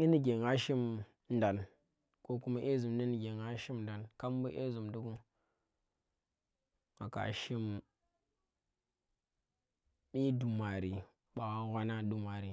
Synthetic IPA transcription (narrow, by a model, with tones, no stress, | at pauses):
i˦ni˨ɡe˨ŋa˦ʃi˦m | n̩˨da˨n | ko˦ku˦ma˦ʔe˦zu˨mni˦ni˨ɡʲe˨ŋa˦ʃi˦mn˨da˨nka˦m˦bu˦ʔḛ˦zu˨mdu˦ɡu˦ | a̰˨ka̰˨ʃi˦m | bi˦du˨ma˨ɾi˨ | ɓa˨a˦ɣʷa˦na˦du˦ma˨ɾi˨